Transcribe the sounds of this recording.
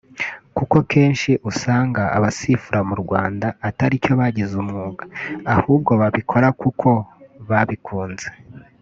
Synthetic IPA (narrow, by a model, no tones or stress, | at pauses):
kuko̞kʰe̞ːnʃiʔusaːŋɡaa̰βasifuɾamuɾɡwaːndaːtaɾico̞βaɟizumŋuːɡaahuːb̚ɡo̞βaβikʰo̞ɾakukʰo̞βaβikʰuːnz̥e̞